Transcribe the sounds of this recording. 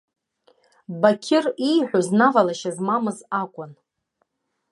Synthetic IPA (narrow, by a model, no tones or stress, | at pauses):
bakʲʰɪrijħʷᶣoznavalaʃazmamɨzakʷʼʊn